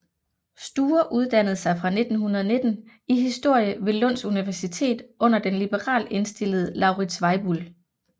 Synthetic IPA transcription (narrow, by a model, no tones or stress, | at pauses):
sd̥uːɐʔuð̞ˠd̥æn̰ð̞̩ˠsɑ̈ɪfʁɑ̈ne̝d̥n̩hunɐð̞̩ˠɐne̝d̥n̩ | iɦisd̥o̝ɐ̰jəʋe̝lɔ̽n̰suniʋæɐsit͡sʰe̝̰ːd̥ʔɔ̽n̰ɐd̥enlib̥əʁɑ̰̈ːle̝nsd̥e̝l̰əð̞̩ˠlɑ̈ʊʁi̥sʋɑ̈ɪb̥ul